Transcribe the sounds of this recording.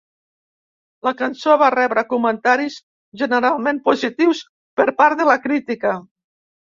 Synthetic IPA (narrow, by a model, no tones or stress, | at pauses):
ləkansoβarɛβɾəkumənt̪aɾis | ʒənəɾalˠmempuzit̪iws | pəɾpaɾðəlakɾit̪ikə